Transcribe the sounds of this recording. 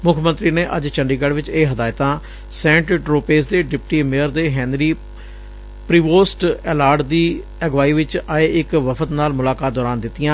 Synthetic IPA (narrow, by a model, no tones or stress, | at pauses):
mʊkʰmənt̪ɾiːneːʔəd͡ʒt͡ʃəɳɖiːɡəɽʋɪt͡ʃeːɦəd̪aːɪt̪ãː | sɛ̃ːɳʈɖɾoːpeːs̬d̪eːɖɪpʈiːmeːəɾd̪eːɦɛ̃ːnd̪ɾiː | pɾiːʋoːsʈɛːlaːɾɖd̪iː | ɛɡʋaːiːʋɪt͡ʃaːeːʔɪkʋəpʰət̪naːlmʊlaːkaːt̪̚d̪ɔːɾaːnd̪ɪt̪ːijãː